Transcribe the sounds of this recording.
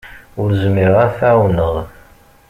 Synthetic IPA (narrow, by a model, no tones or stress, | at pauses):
ʊɾzmiʁaθʕawnəʁˤ